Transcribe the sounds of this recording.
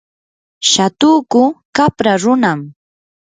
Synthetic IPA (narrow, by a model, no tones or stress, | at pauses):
ʃat̪uːkʊkapɾaɾʊnam